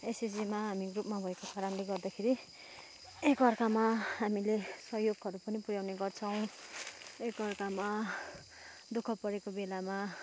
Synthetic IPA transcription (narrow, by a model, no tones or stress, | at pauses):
esisimaɦamiɡrupmabʱʌekokaɾʌnleɡʌrd̪akʰeɾi | ekʌrkamaɦamilesʌɦjoɡʌɾupʌnipuɾjawneɡʌrt͡sʰʌw̃ | ekʌrkama | d̪ukʰʌpʌɾekobelama